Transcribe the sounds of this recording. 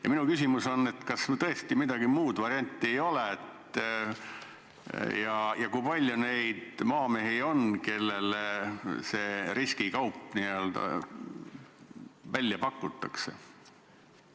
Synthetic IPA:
jɑ̰minukysʲimuso̞nːe̞t̪kɑst̪ɤ̞est̪imid̪̥ɑɡ̥imuːd̪vɑɾiɑnʲt̪ˑːiejo̞leet̪ː | jɑjɑkujpɑlʲjune̞jd̪mɑːmeɦio̞nke̞lːel | se̞ːɾiskikɑwpːˑniøld̪̥ɑ̰ | vælʲːjɑpɑkːˑut̪ːˑɑkse̞̰

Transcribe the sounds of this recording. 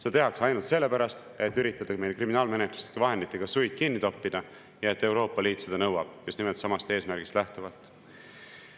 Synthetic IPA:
set̪e̞ɦɑksɑjnult̪se̞lːe̞pæɾɑst̪e̞t̪ːyɾit̪ːˑɑd̪̥ɑme̞jekriminɑːlme̞nek̪lu̥se̥kɑvɑɦe̞nd̪it̪ːˑeɡ̥ɑsujd̪̥̚kinːit̪o̞pːid̪̥ɑ | jɑe̞t̪ːˑe̞wɾo̞ːpːˑɑliːt̪se̞d̪ɑnɤwɑb̥just̪nimelt̪sɑmɑst̪e̞ːsmæɾɡ̥ist̪læht̪uvɑlt̪ˑ

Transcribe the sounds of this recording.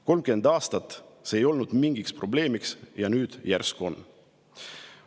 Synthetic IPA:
ko̞lmkend̪̥ɑːst̪ɑt̪ːˑseejo̞lnud̪̥miŋɡ̥ikspro̞ble̞ːmiksjɑnyːd̪̥jæ̰rsko̞̰n

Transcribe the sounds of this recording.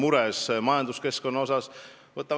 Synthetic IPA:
muɾɛsmɑjɑnd̪uske̞sko̞nːɑo̞sɑs | vɤt̪ːˑɑ

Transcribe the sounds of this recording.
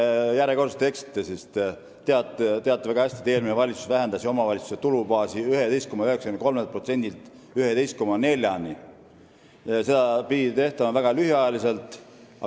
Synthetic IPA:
jæɾeko̞rst̪e̞ksi̥t̪ːˑesist̪ | t̪eɑt̪ːˑt̪eɑt̪ːˑevæɡ̥ɑhæsʲt̪i̥t̪eːlminevɑlʲit̪su̥svæɦe̞nd̪ɑsio̞mɑvɑlʲit̪su̥set̪ulubɑːsiyɦe̞t̪e̞jst̪komɑøheksɑ̥kynɑko̞lmelt̪̚pro̞t̪se̞nʲd̪ilt̪ˑ | yhe̞t̪ejst̪̚ko̞mːɑne̞lʲjɑni | se̞d̪̥ɑpid̪it̪e̞ht̪ɑmɑvæɡ̥ɑlyhjɑjɑlise̞lt̪ˑ | ɑ̰

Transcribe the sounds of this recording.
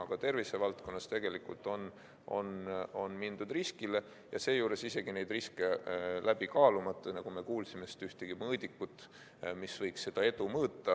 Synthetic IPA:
ɑɡ̥ɑt̪e̞rvise̞vɑlt̪ko̞nːɑst̪e̞ɡ̥e̞likult̪ˑo̞n | ʔo̞̰no̞nmind̪̥ud̪riskile̞ | jɑ̰se̞ːjuːɾe̞sise̞ɡ̥ine̞jd̪riske̞læb̥ikɑːlumɑt̪ːˑɑnɑɡ̥ume̞kuːlsimest̪yht̪eɡ̥imɤːd̪ikːut̪ːˑ | misvɤjksːe̞d̪̥ɑe̞d̪umɤːt̪ˑːɑ

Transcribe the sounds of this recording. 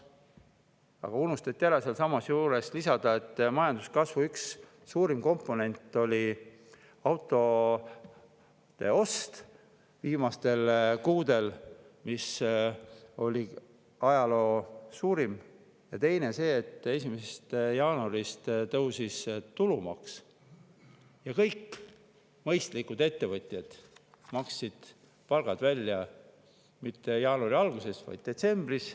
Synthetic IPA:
ɑ̰ɡ̥ɑunust̪ɑt̪ːˑiæɾeselsɑmɑsjuːɾe̞slisɑd̪̥ɑe̞t̪ːmɑjɑnd̪u̥skɑsvuyksː | uːɾimko̞mpːˑo̞ne̞nʲt̪ːˑo̞lʲi | ɑwt̪ːˑo̞ | t̪e̞̰o̞st̪ | viːmɑst̪e̞lkuːd̪̥e̞l | mis | o̞lʲi | ɑjɑlo̞ːsuːɾim | jɑt̪e̞jne̞se̞ːt̪ːˑe̞simesest̪jɑːnuɑɾist̪t̪ɤwsist̪ulumɑ̰ks | jɑkɤjkː | mɤjst̪likud̪e̞t̪ːe̞vɤt̪ʲˑjɑd̪̥ | mɑksːid̪̥ | pɑlɡ̥ɑd̪̥vælʲːjɑ | mit̪ːe̞jɑːnuɑɾiɑlɡ̥use̞svɑ̰jd̪̥̚d̪e̞t̪se̞mb̥ris

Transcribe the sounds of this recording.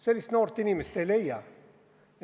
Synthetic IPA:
sɛlisnɔɾt̪ːiniməst̪eleja

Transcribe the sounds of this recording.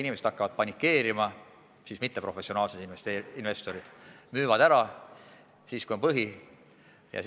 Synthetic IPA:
inimese̞d̪ɑkːɑvɑd̪̥̚pɑnʲikːˑe̞ːɾimɑ | siːsmit̪ːe̞pro̞fe̞sːˑio̞nɑːlsed̪inest̪einve̞st̪o̞ɾid̪̥myːvɑd̪æɾɑ | siːskujo̞npɤɦi | jɑ̰s

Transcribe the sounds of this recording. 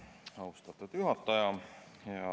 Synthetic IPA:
ɑwst̪ɑt̪ːˑut̪juɦɑt̪ˑːɑjɑ | jɑ

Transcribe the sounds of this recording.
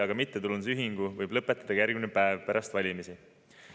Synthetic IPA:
ɑɡɑmit̪ːet̪ulːuns̬yɦiŋɡ̥uvɤjblɤpːˑet̪ːˑɑd̪̥ɑkæɾɡinepæevpeɾɑst̪vɑlʲimisi

